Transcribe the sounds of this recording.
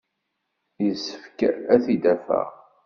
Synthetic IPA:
jəsə̥fkæθid̪æfæ̰ʁ

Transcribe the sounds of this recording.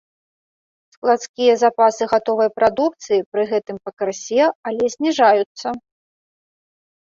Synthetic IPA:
sklˠat̪skʲijɐzapasɨɣat̪ɔvɐjpɾad̪uk̚t̪sɨjipɾɨɣɛt̪ɨmpɐkɾsʲɛalʲɛzʲnʲiʐajut̪sːɐ

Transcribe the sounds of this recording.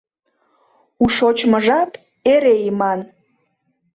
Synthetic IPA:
uʃot͡ɕməʒɑt̪ | eɾeimɑn

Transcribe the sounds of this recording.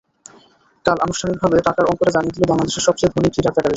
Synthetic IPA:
kala̰noʃʈʰanik̚bʱabeʈakaɾɔŋkoɾad͡ʑanijet̪ʰilobaŋlad̪eʃeɾʃɔb̚t͡ɕejd̪ʱoniʈiʈak̪akab̪eʃ

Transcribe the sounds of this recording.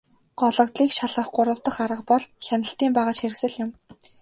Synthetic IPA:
ɢ̥ɔɮɞ̆kt̪ɮiːkʃaɮə̆χɢʊɾə̆w̥t̪ə̆χaɾə̆qpɔɮxʲænə̆ɬt̪iːmpæːʁaːt͡ɕxeɾɘ̆ksɘ̆ɮjʊm

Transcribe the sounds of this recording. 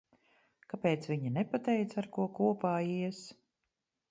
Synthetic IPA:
kapeːt̪sviɲinɛpat̪ɛjt̪saɾkuɔkuɔpaːiɛs

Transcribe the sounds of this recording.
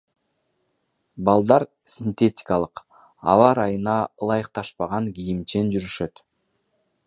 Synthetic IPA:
bɑlˠd̪ɑɾ | sʲint̪ʲe̞tʲɪ̥kɑlˠɯq | ɑ̰vɑɾɑjɯnɑlˠɑjəq̚t̪ɑʃpɑʁɑŋɡʲijimt͡ʃe̞nd͡ʒyɾyʃø̞t̪

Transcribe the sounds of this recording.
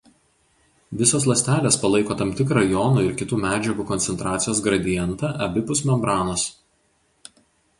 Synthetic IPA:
ʋʲɪsoːslˠɐsʲt̪ʲæːlʲeːspɐlˠɐɪkoːt̪ɐmʲt̪ʲɪk̬ɾɐjɔnuːɪɾkʲɪt̪uːmʲæːd͡ʒʲɛɡuːkɔnʲsʲɛnt̪ɾɑːt̪sʲɪjoːsɡɾɐd̪ʲɪjɛnt̪ɑːʔɐbʲɪpʊsmʲɛmbɾɑːnoːs

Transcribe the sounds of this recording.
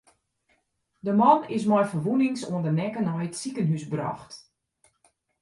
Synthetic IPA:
dəmɑnɪs̬mɔjfərʋunɪŋsuəndənɛkənɔjətsikənɦysbrɔ̰xt

